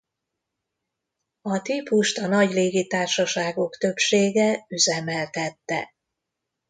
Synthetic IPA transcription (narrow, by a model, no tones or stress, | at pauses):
ɒt̪ipuʃt̪ɒnɒɟleːɡit̪aːrʃɒʃaːɡo̞kt̪øpʃeːɡɛyzɛmɛlt̪ɛt̪ːɛ̰